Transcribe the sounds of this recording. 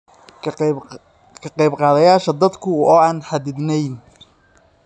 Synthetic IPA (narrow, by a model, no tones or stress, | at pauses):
kʰɐqɑjbqɑːðɐjaːʃɐd̪ɐd̪kʰʊɔːaːnħɑd̪ɪd̪nɛjn